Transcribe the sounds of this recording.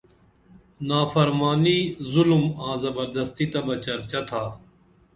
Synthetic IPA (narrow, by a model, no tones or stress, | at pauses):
naːfəɾmaːniːzʊlmãːzəbəɾd̪əst̪iːt̪ɐbɐt͡ʃɐɾt͡ʃat̪ʰaː